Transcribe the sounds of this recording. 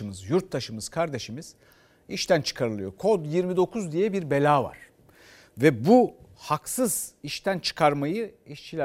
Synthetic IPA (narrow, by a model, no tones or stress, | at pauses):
ɯmɯzjuɾt̪ʰːaʃɯmɯz̥kʰaɾd̪e̞ʃimiz̥ | iʃt̪ʰænt͡ʃʰɯ̥kʰaɾɯlˠɯjo̞kʰod̪jiɾmid̪o̞kʰuzd̪ijɛbiɾbe̞lʲaːva̰ɾ̥ | vɛbuhaksɯziʃt̪ʰænt͡ʃʰɯ̥kʰaɾmajɯiʃt͡ʃʰilʲæ